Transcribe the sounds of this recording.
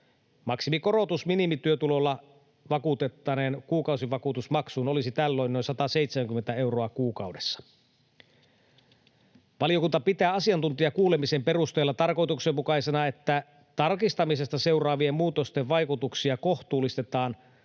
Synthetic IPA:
mɑksimiko̞ro̞t̪usminimit̪yøt̪ulo̞lːɑ | ʋɑkut̪et̪ːɑnenkuːkɑwsiʋɑkut̪usmɑksuːno̞lisit̪ælːo̞inːojnsɑt̪ɑse̞it̪semæŋkymːent̪æe̞uroɑkuːkɑwdesːɑ̥ | ʋɑlijo̞kunt̪ɑpit̪æːɑsiɑnt̪unt̪iɑkuːlemisempe̞rust̪ejlːɑt̪ɑrko̞jt̪uksemmukɑisenɑe̞t̪ːæ | t̪ɑrkist̪ɑmise̞st̪ɑse̞urɑːʋiemmuːt̪ost̪eʋʋɑjkut̪uksiɑko̞ht̪uːlːˑist̪et̪ɑːn

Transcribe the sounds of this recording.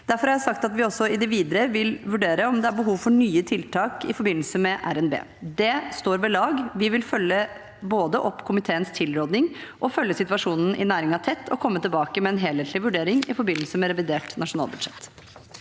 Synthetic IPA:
d̪̥æɾfɔɾhɑɾjæsɑk̚t̪ɑt̪ʋɪɔsːɔɪd̪ɛʋiːd̪əɾəʋɪlʋʉɖeːɾəɔmd̪ɛæɾbəɦuːʋfɔɳyːət̪ʰɪlt̪ʰɑːkɪ̰fɔɾbɪnːl̩səmɛʔæ̰ɾɛnbḛː | d̪ɛst̪oːɾʋɛlɑːɡʋɪʋɪlfœlːə | boːd̪əʔɔpːkʰʊmɪt̪ʰeːənst̪ʰɪlɾoːd̪nɪŋʔɔfœlːəsɪt̪ʋɑʂuːnn̩ʔɪ̰næːɾɪŋɑt̪ʰɛt̪ːɔ̰kʰɔmːət̪ʰɪlbɑːkəmɛɛnɦeːlheːt̪ʰlɪʋʉɖeːɾɪŋɪfɔɾbɪnːəl̩səmɛɾɛʋɪd̪eːʈnɑʂʊnɑ̰ːlbʉd̪ʂɛt̪

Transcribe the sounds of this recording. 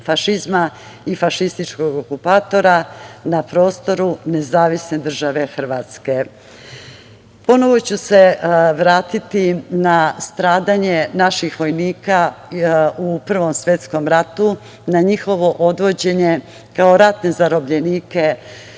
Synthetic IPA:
faʃizma | ifaʃist̪it͡ʃko̞ɡokupaːt̪o̞ɾanapɾo̞ːst̪o̞ɾune̞zaːʋisned̪r̩ʒaʋe̞xr̩ʋaːt̪ske̞ | po̞no̞ʋo̞t͡ɕuse̞ʋɾaːt̪it̪inast̪ɾaːd̪aɲe̞naʃixʋo̞jniːka | upr̩ʋo̞msʋje̞t̪sko̞mɾat̪u | naɲixo̞ʋo̞ʔod̪ʋo̞d͡ʑe̞ɲe̞ | kao̞ɾat̪ne̞zaɾo̞bʎeniːke̞

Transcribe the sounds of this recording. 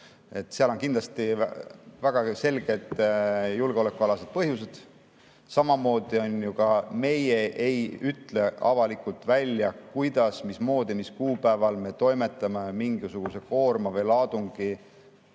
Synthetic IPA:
e̞t̪ːˑseɑlo̞ŋkind̪lɑst̪ḭ | væɡ̥ɑse̞lɡ̥e̞d̪̥julɡeo̞le̞kːˑuɑlɑse̞d̪̥̚pɤɦjuse̞d̪̥ | sɑmɑmo̞ːd̪̥io̞njukɑme̞jeʔejyt̪ˑle̞ɑ̰vɑlikˑult̪ˑvælʲjɑkujd̪̥ɑsmismo̞ːd̪̥imiskuːpæevɑlme̞t̪o̞jme̞t̪ːˑɑme̞miŋɡ̥isuɡ̥use̞ko̞ːrmɑvejlɑːd̪uŋɡ̥i

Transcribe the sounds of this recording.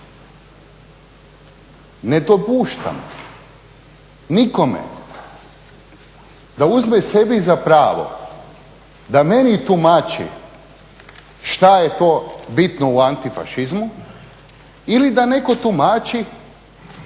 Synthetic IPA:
ne̞d̪o̞puːʃt̪a̰m | niko̞mḛ | d̪auzmese̞bizapɾaːʋo̞̰ | d̪ame̞nit̪umaːt͡ʃḭ | ʃt̪ajet̪oːbit̪nouant̪ifa̰ʃizmu | ilid̪ane̞ko̞t̪umaːt͡ʃi

